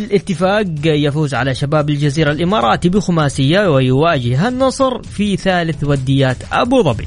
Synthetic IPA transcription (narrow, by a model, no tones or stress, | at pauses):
ɪlʔɪt̪ːɪfaːɡjafuːzʕa̰laʃabaːbɪld͡ʒaziːɾalʔɪmɑːɾˤɑːt̪ibɪxʊmaːsɪjːawɪjɪwaːd͡ʒɪhɦanːɑsˤɾfiθaːlɪθwad̪ːɪjːaːt̪ʔa̰buðˤɑbḭ